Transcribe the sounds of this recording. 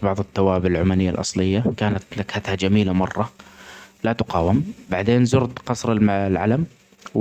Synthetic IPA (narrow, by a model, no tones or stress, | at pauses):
bɑʕðˤɨt̪ːawaːbɪlʕʊmaːnɪjːa̰lʔɑ̰sˤlɪjːakaːnat̪lakhat̪had͡ʒamiːlamɑrˤːɑ | lat̪ʊqɑːwɪmbaʕd̪eːnzʊɾd̪qɑsˤɾˤɪllʕa̰lam